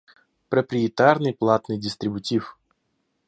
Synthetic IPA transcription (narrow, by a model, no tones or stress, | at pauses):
pɾəpɾʲɪɪt̪arnɨjplˠat̪nɨjdʲɪst̪ɾʲɪbʊtʲif